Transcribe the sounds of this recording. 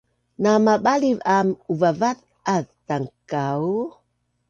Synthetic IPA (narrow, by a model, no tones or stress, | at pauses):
namaɓalivamuvavaθ | aðtaŋkaw